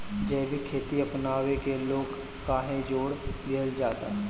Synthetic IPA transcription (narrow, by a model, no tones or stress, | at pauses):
d͡ʒɛːbʱikʰeːt̪iɐpnaːwekeloːɡ | kaːɦẽd͡ʒoːɽd̪ɪɦəld͡ʒaːt̪a̰ɦɛː